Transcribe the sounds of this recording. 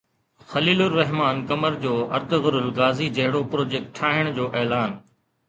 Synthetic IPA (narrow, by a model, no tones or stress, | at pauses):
xɐliːlʊɾːɐɦmaːnkɐməɾd͡ʑoːɐ̰ɾt̪ɣʊɾʊlɡaːziːd͡ʑɐɦɪɽopɾoːd͡ʑeːk̚ʈʰːaːɦɪɽ̃d͡ʑoːʔeːlaːn